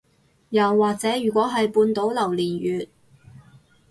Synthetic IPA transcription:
jɐ˨wːaː˨k̚t͡sɛː˨˥jyː˨˩kʷɔː˨˥ɦɐ˨jpuː˧nt̪o˨˥wlɐ˨˩wliː˨˩njyː˨t̚

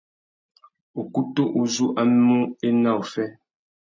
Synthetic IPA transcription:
o˨ku˦tu˦ʔu˨zu˦ʔa˦m˦mu˦e˦na˦˨wfɛ˦

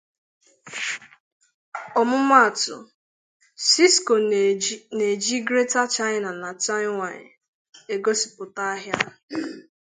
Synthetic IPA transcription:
ɔ˨mʊ˦ma˦˨tʊ̰˨ | si˦sko˨ | ne˨d͡ʒi˦ɡɾe˦ta˦t͡ʃa˦ɪ˦na˨na˨t͡ʃa˦wʷa˨ɲɪ̰˨ | e˨ɡo˦si̥˨pʊ˨ta˦a˦ɦja˦˨

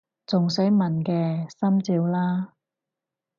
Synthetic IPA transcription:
t͡sʊ˨ŋs̬e˨˥mɐ˨˩nkɛː˧sɐ˥mt͡siː˧wlaː˥

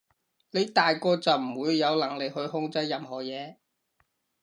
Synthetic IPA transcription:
le˨˧jt̪aː˨jkɔː˧t͡sɐ˨wm̩˨˩wuː˨˧jːɐ˨˧wlɐ˨˩ŋlɪ˨k̚hɵ˧ɥhʊ˧ŋt͡sɐ˥jːɐ˨mɦhɔː˨˩jɛː˨˧

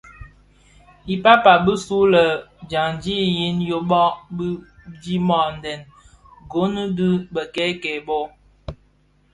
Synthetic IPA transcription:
i˨pa˦pa˨bə˦su˦lə˨d͡ʒa˨ŋd͡ʒi˦˨ji˦njo˦ɓɔ˦ʔbi˦d͡ʒi˦mɔ˨n˨dɛ˨n | ɡo˦nə˦di˦bə˨kɛ˦kɛ˨bo˦

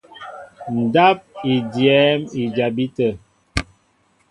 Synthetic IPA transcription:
n̩˨da˦p̚i˨djɛ˦mi˨d͡ʒa˨bi˦tə˨

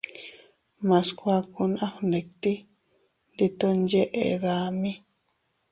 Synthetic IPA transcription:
mã˨˧skʷa˧ku˧nã˦hnẽ˨kt̪i˦ | nd̪i˧t̪o˦nd͡ʒe˦ʔḛ˨ɣa˧mĩ˦

